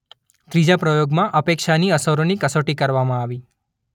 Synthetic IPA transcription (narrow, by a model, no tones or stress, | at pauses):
t̪ɾid͡ʒapɾəjoɡmãʔəpekʃaniəsəɾonikəsoʈikəɾʋamãaʋi